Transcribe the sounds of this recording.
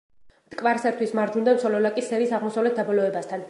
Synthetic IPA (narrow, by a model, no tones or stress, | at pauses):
t̪ʼkʼvaɾsɛɾt̪ʰwismaɾd͡ʒund̪amsɔlɔlakʼisɛɾiːsaʁmɔsavlɛt̪̚ʰd̪abɔlɔɛbast̪ʰan